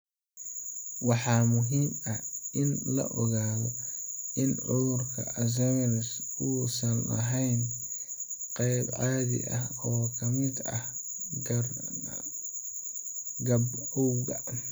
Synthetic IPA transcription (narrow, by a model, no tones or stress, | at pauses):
wɑħɑːmʊɦiːmɐhʔɪnlɐ̰ʔɔɣaːɣɔɪnʕʊðʊrkʰɐʔɐzɐɣɾs | uːsɐnɐ̰ɦɛjn | qɛjbʕɑːðɪ̰ʔɐhɔːkʰɐmɪd̪ɐh | ɡ | ɡɐbɔwɣɐ